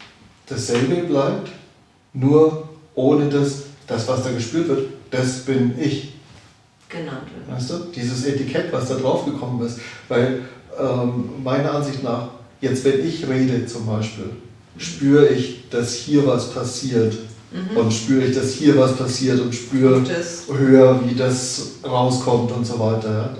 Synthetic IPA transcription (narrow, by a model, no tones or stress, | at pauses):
d̥asz̥ɛlbəblaɪp̚t | nuːɐʔoːnədasd̥asv̥asd̥aːɡəʃpyːɐtv̥ɪɐtd̥asb̥ɪnɪç | ɡ̥nmaɪsd̥uːd̥iːzəsɛtikʰɛtv̥asd̥aːdʁaʊfɡ̥əkʰɔmənɪstv̥aɪlʔɛːmmaɪnɐʔanzɪçtnaːχ | jɛt͡stv̥ɛnʔɪçʁeːdət͡sʊmbaɪʃpḭːl | ʃpyːʁəɪçd̥ashiːɐvaspʰasiːɐtʔʊntʃpyːʁəɪçd̥ashiːɐvaspʰasiːɐtʊntʃpyːʁəhøːɐviːdasʁaʊskʰɔmtʊntz̥oːvaɪtɐjaː